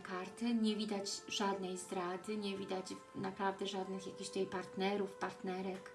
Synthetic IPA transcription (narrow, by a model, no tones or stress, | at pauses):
kaɾt̪ɘɲɛvʲid̪ad͡ʑʐad̪nɛjzd̪ɾad̪ɘɲɛvʲid̪ad͡ʑ | napɾavd̪ɛʐad̪nɘxjakʲiɕt̪ɛjpaɾt̪nɛɾufpaɾt̪nɛɾɛk